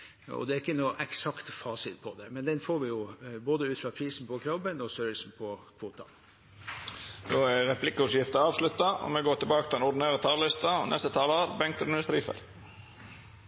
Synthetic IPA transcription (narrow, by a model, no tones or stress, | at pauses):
ɔ̰d̪ɛæɾɪkːənuːʔɛksɑkt̪fɑːsɪt̪pʰɔd̪ɛmɛnd̪ɛnfoːɾʋɪjʊboːd̪əʉːt̪fɾɑpʰɾiːsn̩pɔkʰɾɔbənɔsøːɾəlsn̩pʰɔkʰʋuːt̪ɑ̰n | d̪oːæɾɾɛpʰlɪkːəʊsjɪft̪əɑːʋslʉt̪ːɑɔ̰mɛɡoːʈɪlbɑːkət̪ɪlɛnʊɖ̪neːɾət̪ʰɑːləlɪst̪ɑɔnɛst̪ət̪ʰɑːləoːɾbɛŋkt̪lnəst̪ɾiːfɛ̰l